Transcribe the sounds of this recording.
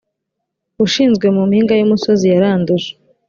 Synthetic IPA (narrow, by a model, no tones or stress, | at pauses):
uʃiːnzɡwe̞mumhiːŋɡajumuso̞zijaɾaːnduʒe̥